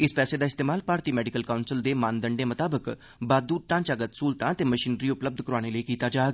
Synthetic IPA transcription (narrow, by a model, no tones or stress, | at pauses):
ɪspɛːseːd̪aːɪst̪eːmaːlpaːɾt̪iːmɛːɖɪkəlkaʊnsəld̪eːmãːnd̪əɳɖeːmət̪aːbək | baːd̪uːʈãːɲt͡ʃaːɡət̪suːlt̪ãːt̪eːməʃiːnɾiːʊpləb̚d̪ʱkəɾaːɽ̃eləiːkiːt̪aːd͡ʒaːeɡ